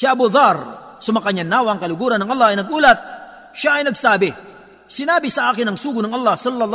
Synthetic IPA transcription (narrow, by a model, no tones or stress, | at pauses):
siʔɐbʊðˤɑɾsʊmɐkɐɲanaːwaːŋkɐlʊɡuːɾɐnɐŋʔɐlˠˤːɑhɐjnɐɡʔuːlat̪̚ | ʃaʔɐjnɐɡsaːbɪ | sɪnaːbɪsɐʔaːkɪnɐŋsuːɡʊnɐŋʔɐlˠˤːɑhsɔlːɐl